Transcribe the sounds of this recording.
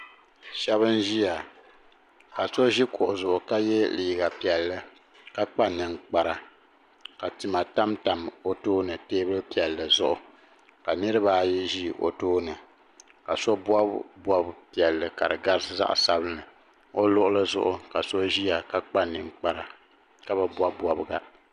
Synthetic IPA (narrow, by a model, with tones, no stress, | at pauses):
ʃɛ˦βɨ˦n˦ʒi˦ja˨ | ka˨so˦ʒi˦kʊ˨ʔʊ˨zʊ˨ʔʊ˨ka˦jɛ˦liː˨ɡa˨pi˨ɛ˨lːɨ˨ | ka˦k͡pa˦nɨ˨ŋk͡pa˦ɾa˨ | ka˨ti˨ma˨ta˦mta˨mo˦toː˦nɨ˨teː˦bɨ˦lpi˨ɛ˨lːɨ˨zʊ˦ʔʊ˦ | ka˨nɨ˦ɾɨ˦ba˦ji˦ʒi˦ʔo̰˨toː˦nɨ˨ | ka˨so˦bwa˦bʷɔ˦bpi˨ɛ˨lːɨ˨ka˨ɾɨ˨ɡa˦ɾsɨ˦za̰˦ʔsa˦bɨ˦nɨ˨ | o˦lʊ˦ʔʊ˦lɨ˦zʊ̰˦ʔʊ˦ka˨so˦ʒi˦ja˨ka˦k͡pa˦nɨ˨ŋk͡pa˦ɾa˨ | ka˦bɨ˦bwa˦bʷɔ˦bɡa˦